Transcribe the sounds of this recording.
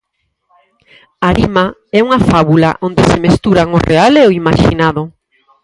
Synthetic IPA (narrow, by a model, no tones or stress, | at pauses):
aɾimaɛuŋɐfaβula̰ʔond̪esɪmest̪uɾaŋorealeoimaʃḭnaðʊ